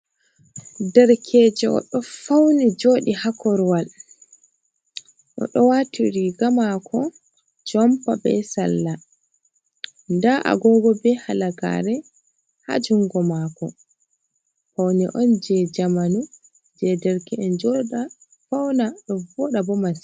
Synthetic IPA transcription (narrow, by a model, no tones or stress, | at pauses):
dɛɾkʰɛd͡ʒɛʔɔ̰ɗɔfawnid͡ʒoːɗihakɔɾwal | ɗɔ̰ɗɔwatʰiɾiɡamakʰɔ | d͡ʒɔmpabɛ̰sa̰lːa | ndaʔa̰ɡɔɡɔbɛhalaɡa̰ɾɛ | ha̰d͡ʒuŋɡɔmakɔ̰ | fawnḭʔɔnd͡ʒɛd͡ʒamanu | d͡ʒɛdɛɾkɛɛnd͡ʒɔɗa | fawnaɗɔvɔɗabɔmas